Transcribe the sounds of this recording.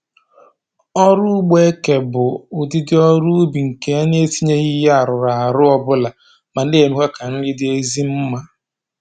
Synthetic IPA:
ɔ˦ɾʊ˦ɡ͡be˦ke˨bʊ˨ʊ˨di˦dɪ˦ɔ˦ɾu˦bi˨ŋ̩˨ke˨a˦ɲ˦e˦si˦ɲe˦ɣɪ˦ja˨ɾʊ˨ɾa˨a˨ɾʊ˦ɔ˦bʊ˦la˨ | ma˨n̩˦dɪ˦e˨me˦kʷe˦ka˨n̩˦lɪ˦dɪ˦e˦zi˦m̩˦ma˦

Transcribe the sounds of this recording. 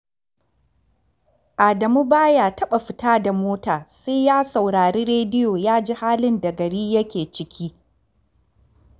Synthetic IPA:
ʔaː˨dɐ˨mu˦baː˦jaː˨tɐ˦ɓa˨ɸɪ˨taː˦da˨moː˦taː˨se˦jaː˦sa˨wɽaː˨ɾiː˦ɾeː˦dɪ˦joː˨jaː˦d͡ʒiː˦haː˦lɪ˦nda˨ɡɐ˨ɽiː˦jɐ˦kʲeː˨t͡ʃɪ˦kʲʰiː˦

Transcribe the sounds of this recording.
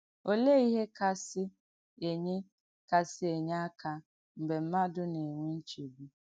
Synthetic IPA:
o˦le˦i˦ɦe˦ka˦sɪ˦ | e˨ɲe˦ | ka˨sɪ˦e˨ɲ˦a˦ka˨ | m̩˨be˨m̩˦ma˦dʊ˦ne˨ŋʷe˦n̩˦t͡ʃe˨bu˦

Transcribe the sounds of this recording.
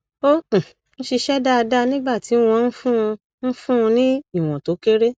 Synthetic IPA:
õ˦˨ | ñ̩˦ʃi˧ʃɛ˦da˦a˧da˦˧nĩ˦ɡ͡ba˦˨ti˨˦w̃ɔ̃˧n̩˦fũ˦˧ | n̩˦fũ˦˧nĩ˦i˦˨w̃ɔ̃˨to˨˦ke˦ɾe˦

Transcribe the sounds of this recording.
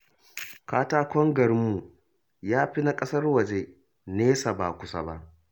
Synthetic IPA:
kaː˦taː˦kʷɔ˦ŋɡɐ˨ɾmːu˨ | jaː˦ɸi˦na˦kʼɐ˦sɐ˦rwɐ˨d͡ʒe˦ | neː˦sa˨ba̰ː˨kʷʊ˦sa̰˦ba̰˦ʔ

